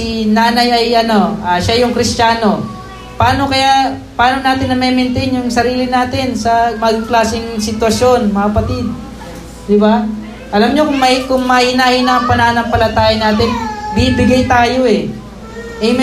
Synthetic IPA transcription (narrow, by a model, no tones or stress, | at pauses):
inaːnɐjɐjʔɐno̞ʔaːʃajʊŋkɾɪst͡ʃaːno̞ | pɐaːno̞kɐjaʔpaːno̞naːt̪ɪnːɐmɛmɪnt̪ɛnjʊŋsɐɾiːlɪnaːt̪ɪnsɐmɐɡ̚klaːsɪŋsɪt̪wɐʃjo̞nmɐkɐpɐt̪ɪd̪̚ | d̪ɪba | ʔɐlamɲo̞kʊŋmɐkʊŋmɐʔɪnaʔɪnaɐŋpɐnɐanɐŋpɐlɐt̪aːjɐnaːt̪ɪnbibɪɡajt̪aːjo̞ʔɛ | ʔɛjm